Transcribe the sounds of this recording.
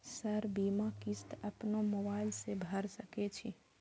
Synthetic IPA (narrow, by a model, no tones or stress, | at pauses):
səɾbimakist̪əpnomobaɪlsebʱəɾsəket͡ʃʰi